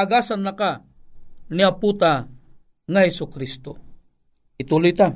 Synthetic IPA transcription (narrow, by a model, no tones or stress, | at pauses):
aɡasanːaka | niaput̪a | ŋahɛsʊkɾist̪o | it̪ulʊt̪a